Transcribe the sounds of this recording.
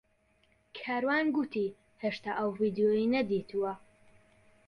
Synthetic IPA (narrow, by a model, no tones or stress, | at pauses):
kʰaːɾwaːnɡut̪iː | heʃt̪aʔɐwvid̪ijojinɐd̪iːt̪ʰuwɐ